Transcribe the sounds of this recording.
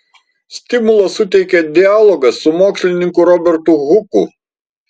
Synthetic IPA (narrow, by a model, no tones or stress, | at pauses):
sʲt̪ʲɪmʊlˠɐsʊt̪ʲɛɪkʲɛd̪ʲɪaːlˠɔɡɐsːʊmoːksʲlʲɪnʲɪŋkʊɾɔbʲɛɾt̪uɣʊkʊ̰